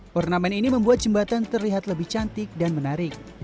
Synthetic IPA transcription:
ʔɔrnamɛniniməmbuat̪̚d͡ʒəmbat̪ant̪ərliɦat̪ləbɪht͡ʃant̪ɪk̚danmənaɾɪk̚

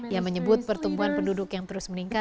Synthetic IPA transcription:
jaməɲəbʊt̪̚pərt̪umbuɦanpəndudʊkjaŋt̪əɾʊsməniŋka

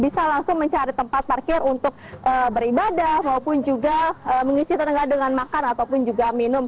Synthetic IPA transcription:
bisalaŋsʊŋməɲt͡ʃaɾit̪əmpat̪̚parkɪrunt̪ʊk̚əbəɾibadahmaupʊnd͡ʒuɡaəməŋisit̪ənəŋɡadəŋanmakanat̪awpʊnd͡ʒuɡaminʊm

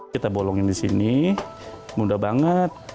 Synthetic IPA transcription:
it̪abolɔŋɪndisḭni | mudabaŋət̪̚

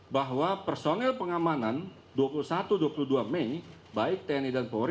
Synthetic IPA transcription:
baɦwapərsonɛlpəŋamanan | duapulusat̪uduapuluduamɛj | baɪk̚t̪ɛnidanpoɾ

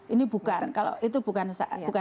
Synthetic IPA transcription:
ʔinib̥ṳkankalo̰ʔit̪ub̥ukansa̰b̥uka

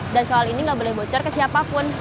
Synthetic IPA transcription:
dansoaliniŋɡabolɛhbot͡ʃɔrkəsiapapʊn

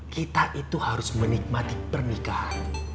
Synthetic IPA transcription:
kit̪aʔit̪uhaɾʊsmənik̚mat̪ipərnikahan

